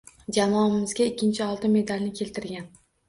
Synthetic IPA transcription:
d͡ʒamɒɪmɪzɡʲaɪkʲʰːɪnt͡ʃʰɪɒlˠt̪ɪme̞d̪alʲnɪkʲʰe̞lt̪ʰɪɾɡʲan

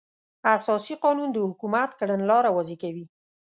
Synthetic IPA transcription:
asɑsiqɑnund̪əhʊkumat̪kaɽənlɑɾawazikawi

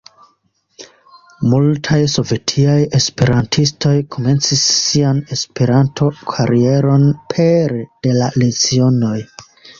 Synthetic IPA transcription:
multʰajso̞ve̞tʰiaje̞spe̞ɾantʰistʰo̞jkʰo̞me̞nt͡sisːiane̞spe̞ɾantʰo̞kʰaɾie̞ɾo̞npʰeɾd̥e̞lalet͡sio̞no̞j

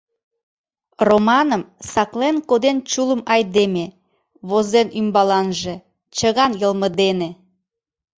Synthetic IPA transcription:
romɑnəmsɑklenkod̪ent͡ɕuləmɑjd̪eme | βozenymbɑlɑnʒe | t͡ɕəɣɑnjəlməd̪ene

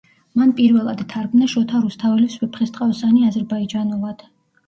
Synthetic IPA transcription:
manpʼiɾvɛlˠa̰d̪t̪ʰaɾɡmnaʃɔt̪ʰaɾust̪ʰavɛliswɛpʰχɛst̪ʼqʼawsaniazɛɾbaid͡ʒanulˠad̪̥

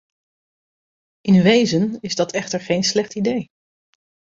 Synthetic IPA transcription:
ʔɪnʋejzənɪzdɑtɛχtəɹχejnslɛχtidej

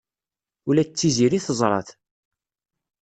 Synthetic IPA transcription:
ulæt͡sːiziɾiθəzˤɾˤɑ̰θ

